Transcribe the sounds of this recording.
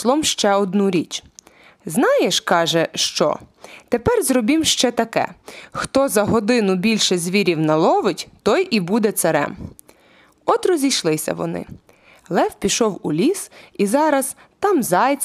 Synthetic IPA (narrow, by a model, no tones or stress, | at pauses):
lˠɔmʃt͡ʃɛɔd̪nuɾʲit͡ʃ | znɑjeʃkɑʒɛʃt͡ʃɔ̰t̪epɛrzɾɔbʲimʃt͡ʃɛt̪ɐkɛ̰xt̪ɔzɐɦɔd̪ɪnʊbʲilʲʃɛzʲʋʲiɾʲiwnɐlˠɔʋɪtʲt̪ɔjʔibud̪ɛt̪sɐɾɛ̰m | ɔt̪ɾɔzʲijʃlˠɪsʲɐ̰ʋɔ̰nɪ̰ | lˠɛwpʲiʃɔwulʲisizɑɾɐz̥ | t̪ɑmzɑjt͡sʲ